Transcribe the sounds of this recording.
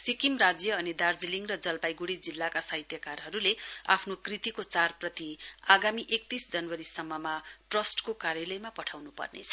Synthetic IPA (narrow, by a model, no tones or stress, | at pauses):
sikimrad͡zjʌʌnid̪ard͡ziliŋrʌd͡zʌlpajɡuɽid͡zilːakasaɦit̪jʌkarɦʌɾulea̰pʰnokrit̪ikot͡sarprʌt̪iaɡamiʔek̚t̪isd͡zʌnwʌɾisʌmːʌmaʈrʌsʈkokaɾjʌlʌjmapʌʈʰawnupʌ̰rnḛt͡sʰʌ̥